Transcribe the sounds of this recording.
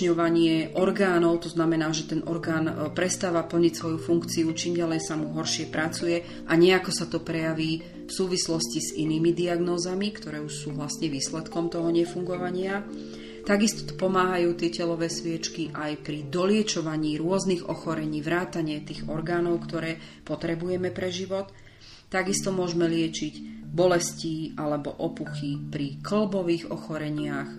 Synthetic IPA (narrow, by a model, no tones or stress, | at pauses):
ɲɔʋaɲɪɛʔɔɾɡaːnɔʊt̪ɔznamɛnaːʒɛt̪ɛnʔɔɾɡaːnpɾɛst̪aːʋapl̩ɲicsʋɔjufuŋkt͡siut͡ʃiːmɟalɛjsamuɦɔɾʃɪɛpɾat͡sujɛ | ʔaɲɛakɔsat̪ɔpɾɛjaʋiː | fsuːʋislɔsciz̥iniːmid̪iaɡnɔːzamikt̪ɔɾɛːuʃsuːʋlasɲɛʋiːslɛt̪kɔmt̪ɔɦɔɲɛfuŋɡɔʋaɲɪa | t̪aɡist̪ɔ̥t̪ɔ̥pɔmaːɦajuːt̪ɪɛcɛlɔʋɛːsʋɪɛt͡ʃkiʔajpɾid̪ɔlɪɛt͡ʃɔʋaɲiːɾʊɔzniɣɔ̰xɔɾɛɲiːʋɾaːt̪aɲɪɛt̪iːɣɔɾɡaːnɔʊkt̪ɔɾɛːpɔt̪ɾɛbujɛmɛpɾɛʒiʋɔt̪ː | aɡist̪ɔmʊɔʒmɛlɪɛt͡ʃicbɔlɛsciːalɛbɔʔɔpuxipɾikl̩bɔʋiːɣɔ̰xɔɾɛɲɪax